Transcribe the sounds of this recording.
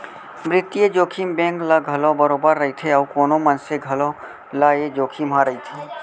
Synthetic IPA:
mɾɪt̪ːijed͡ʒoːkʰimbẽːŋklaɡʱɐlõbəɾoːbəɾːɐɦit̪ʰeəkoːnõmənseɡʱɐlõ | lajed͡ʒoːkʰimɦãɾəɦit̪ʰiː

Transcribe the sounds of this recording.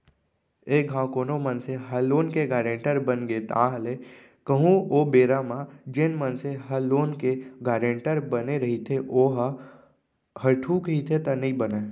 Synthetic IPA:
eːɡʱãkoːnomənseɦəloːnkeɡaːɾẽɳʈəɾbənɡet̪aːɦəle | kəɦũoːbeːɾamãd͡ʒenmənseɦəloːnkeɡaːɾẽɳʈəɾbəneɾəɦit̪ʰeʔoːɦa | həʈʰuːkɦit̪ʰet̪ənəĩbəneː

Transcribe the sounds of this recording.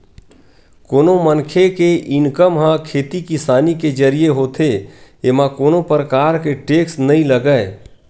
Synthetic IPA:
koːnomənkʰekeʔɪnkəmɦãkʰeːt̪ikɪsaːniked͡ʒəɾijeɦoːt̪ʰeemãkoːnopɾəkaːɾkeʈeːksnəɦĩləɡəe

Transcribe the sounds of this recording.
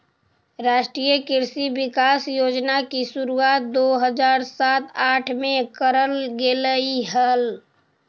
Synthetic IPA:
ɾaːʃʈɾijəkɪɾsibɪkaːsjoːd͡ʒnakisʊɾuaːt̪̚d̪oːɦəd͡ʒaːɾsaːt̪aːʈʰmẽkəɾəlɡeləiɦəl

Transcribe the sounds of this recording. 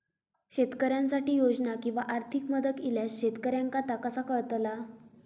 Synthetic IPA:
ɕet̪kəɾjansaʈiːjod͡znakĩw̃ʋaʔaɾt̪ʰikməd̪ət̪iljasɕet̪kəɾjaŋkat̪akəsakəɭt̪la

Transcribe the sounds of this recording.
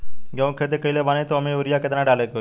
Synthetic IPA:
ɡəʋ̃kʰet̪ekəilebaːnẽt̪oɐmẽʊɾijaːket̪nãːɖaːleko

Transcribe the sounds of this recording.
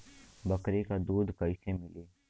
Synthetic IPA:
bɐkɾekad̪uːd̪ʱkɐɪsemɪleː

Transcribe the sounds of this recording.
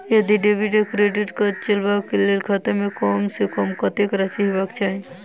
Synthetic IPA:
jəd̪iɖebiɖekɾeɖiʈkət͡ʃəlbakelelkʰɐt̪əmekɔmsekɔmkət̪ekɾasiɦebakt͡ʃʰaɦi

